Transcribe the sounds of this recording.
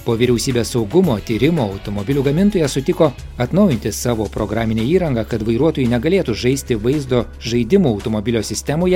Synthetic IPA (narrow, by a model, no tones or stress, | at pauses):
poːʋʲiːɾʲɛʊsʲiːbʲeːsɒʊɡʊmoːt̪ʲiːɾʲɪmoːɐʊt̪oːmobʲɪlʲuɡɐmʲɪnt̪oːjɛsʊt̪ʲɪkoː | ɐt̪nɐʊjɪnʲt̪ʲɪsɑːʋoːpɾoɡɾaːmʲɪnʲeːiːɾɐŋɡɐkɐt̪ʋɐɪɾuɔt̪oːjunʲɛɡɐlʲeːt̪uʒɐɪsʲt̪ʲɪʋɐɪzd̪oː | ʒɐɪd̪ʲɪmuːɐʊt̪omobʲɪlʲoːsʲɪsʲt̪ʲɛmoːjɛ